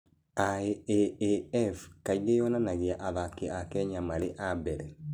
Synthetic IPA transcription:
aeeeɛfkaiɣejɔnanaɣeaʔaðakeakɛɲamaɾeʔabɛɾɛ

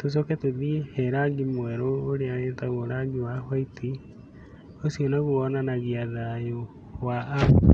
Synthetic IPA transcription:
tos̬ɔkɛtoðiehɛɾaɡimwɛɾoːɾeanetaɣoɾaɡiwahwaitʰi | osionaɣuɔnanaɣiaðajo | waː

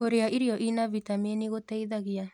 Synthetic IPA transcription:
oɾeaʔiɾiɔʔinavitaminiɣotɛiðaɣia

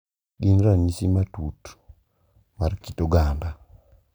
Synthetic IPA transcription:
ɡinɾamisimatut | markitoɡanda

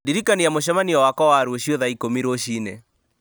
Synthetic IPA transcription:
diɾikaniamoʃ̬ɛmaniɔwakɔwaɾwoɕjoðaikomiɾoʃiːnḛ

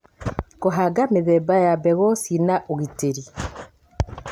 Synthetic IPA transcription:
koɦaɡameðɛbajabɛɣɔsinaʔoɣiteɾi

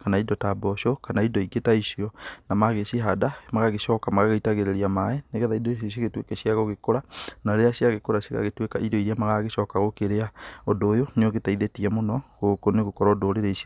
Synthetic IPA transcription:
kanaidɔtabɔʃokanaidɔiɡetaiʃiɔnamaɣeseɦadamaɣaɣeʃɔːkamaɣaɣaitaɣeɾeɾiamaɛneɣɛðaidoosiɣetwekɛɕjaɣoɣekoɾanaɾeaɕiaɣekoɾaseɣa̰ɣetwekaʔidɔiɾeamaɣaɣeʃɔːkaɣokeɾeaodoːjoneoɣetaiðetiɛmonɔɣokoneɣokɔɾɔdoɾeɾeisi

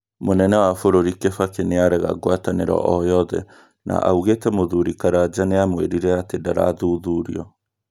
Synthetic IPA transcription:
monɛnɛwafoɾoɾikefakeneaɾɛɣa̰ɡwataneɾɔ̰ʔɔjɔðɛ̰ | nʔa̰ʔa̰uɣetɛmoðuɾikaɾad͡ʑaneamoweɾiɾɛatedaɾa̰ðuːðuːɾḭɔ

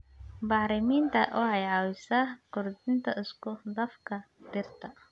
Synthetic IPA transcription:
bɑħɾɪmiːnt̪ʰɐ̰wɑħɑjʕɑwɪsakʊrd̪ɪnt̪ʰɐɪskʰʊd̪ɐfkʰɐ | d̪̥ɪrt̪ʰɐ

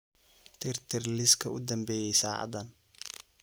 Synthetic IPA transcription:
t̪ʰɪrt̪ʰɪrlɪskʰɐʊd̪ɐmbɛːjɛjsa̰ːʕɑ̰d̪ɐn

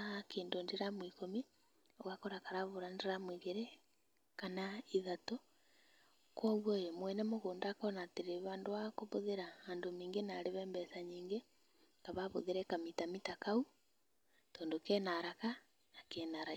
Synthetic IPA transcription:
keːndondeɾamwiːkomi | oɣakoɾakaɾaβoɾanɾamwiɣeɾe | kanaiðato | kwɔːɣwɔjemwɛnɛmoɣoːndakɔnateɾeβaːndoakoβoðeɾaaːndomiːŋɡenaɾeβɛːmbɛsaɲiːŋɡe | kaβaβoðeɾɛkamitamitakau | tɔːndokɛːnaɾaka | nakɛnaɾa

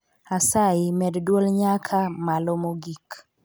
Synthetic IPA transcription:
asaɪmɛddwolɲakʰamalomoɡik

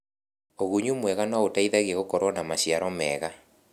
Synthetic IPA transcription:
oɣuɲumwɛɣanwaotaiðaɣeɣokɔɾwɔnamaɕiaɾɔmɛ̰ːɣa

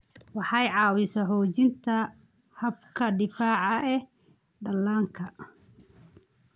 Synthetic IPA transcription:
wɑħɑjʕɑːwɪsɐɦɔːt͡ʃɪnt̪ʰɐhɐb̚kʰɐɖɪfaːʕɑʔɛd̪ɐlːaːŋkʰɐ

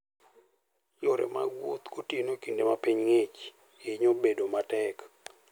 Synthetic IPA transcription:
joɾḛma̰ɡwot̪ɡotienokindemapiɲŋet͡ʃ | ɪɲobedomatɛk

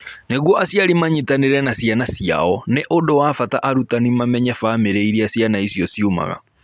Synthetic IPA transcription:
neɣwɔʔasjaɾimaɲitaneɾɛnasjanasija̰ɔneʔodowafataʔaɾutanimamɛɲafameɾeiɾiasjanaisjɔsioma̰ɣa̰

